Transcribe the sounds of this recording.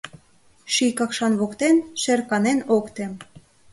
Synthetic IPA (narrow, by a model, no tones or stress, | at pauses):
ʃikɑkʃɑnβokt̪enʃerkɑnenokt̪em